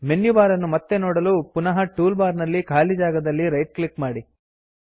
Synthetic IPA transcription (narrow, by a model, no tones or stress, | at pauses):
menjubaːɾɐnːumɐt̪ːenɔːɽɐluːpunɐɦɐʈuːlbaːɾnɐlːikʰaːlid͡ʒaːɡɐd̪ɐlːiɾɐjʈ̚klikmaːɽi